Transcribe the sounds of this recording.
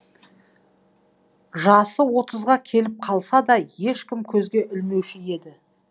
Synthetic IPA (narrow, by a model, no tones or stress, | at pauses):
ʒɑsəwo̞t̪əzʁɑkʲʰe̞lɪp̚qʰɑlˠsɑd̪ɑje̞ʃkʲɪmkʲʰɵzɡʲe̞ʔʏlme̞wʃɪje̞d̪ɪ